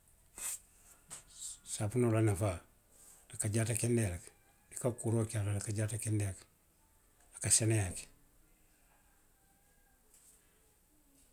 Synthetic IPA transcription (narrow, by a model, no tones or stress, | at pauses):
sapunolanafa | nakaɟatakendelak | dikakuɾokialalakaɟatakendek | lakasenejake̥